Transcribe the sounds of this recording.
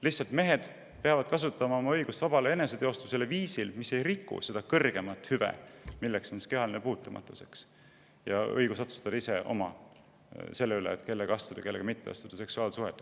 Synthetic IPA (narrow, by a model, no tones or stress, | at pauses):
liçsːɑlt̪me̞ɦe̞d̪̥ | peɑvɑd̪̥̚kɑsut̪ːˑɑmɑo̞mɑɤjɡ̥ust̪vɑb̥ɑlee̞ne̞set̪e̞o̞st̪use̞leviːsilmise̞jrikːṵse̞d̪̥ɑkɤrɡ̥e̞mɑt̪ːˑhyvḛmilːekso̞nskeɑlnepuːt̪ːˑɑmʔɑ̰t̪ːˑuse̞̥ks | jɑɤ̰jɡusot̪su̥st̪ɑd̪ɑiseʔo̞̰mɑ | se̞lːeylḛːt̪ke̞lːeɡ̥ɑst̪ud̪ɑkeːeɡ̥ɑmit̪ˑːeɑ̰st̪ud̪̥ɑse̞ksuɑːlsuɦhet̪ːˑ